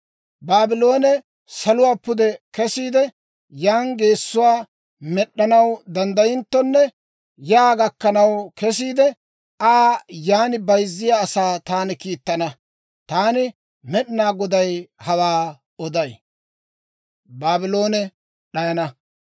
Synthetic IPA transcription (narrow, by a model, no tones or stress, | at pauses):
baːbɪlo̞ːnɛ | sɐlʊwaːpːʊd̪ɛkɛsiːd̪ɛ | jaːnɡe̞ːsːʊwaː | mɛɗːɐnɐwd̪ɐnd̪ɐjɪnt̪ːɔnːɛ | jaːɡɐkːɐnɐwkɛs̬iːd̪ɛ | aːjaːnɪbɐjzːɪjaːsaːt̪aːnɪkiːt̪ːɐnɐ | t̪aːnɪ | mɛɗɪnaːɡɔd̪ɐjhɐwaː | ɔd̪ɐj | baːbɪloːnɛ | ɗɐjɐnɐ